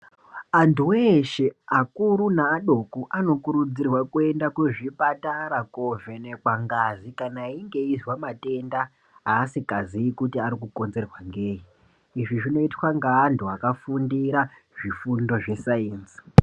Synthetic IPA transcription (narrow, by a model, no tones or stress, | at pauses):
antuweʃe̞akuɾunaːɗo̞kuʔano̞kuɾud͡zirwakue̞ndakwe̞ʐipataɾakovenekwaŋɡazikanaiŋɡe̞izwamate̞ndaː | sikaziikutiaɾikuko̞nze̞rwaŋɡeːi | iʐiʐino̞itwaŋɡaːntuakafundiɾa | ʐifundo̞ʐe̞saeːnsi̥